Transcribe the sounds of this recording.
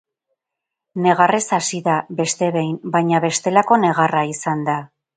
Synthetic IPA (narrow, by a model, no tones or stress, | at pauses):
ne̞ɣare̞sasiðabe̞st̪e̞βe̞jmbajɲaβe̞st̪e̞lako̞ne̞ɣ̞araisand̪a